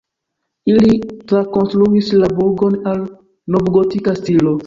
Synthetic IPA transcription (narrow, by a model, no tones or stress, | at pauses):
ilitɾakonstɾuislabuɾɡonal | nobɡotikastilo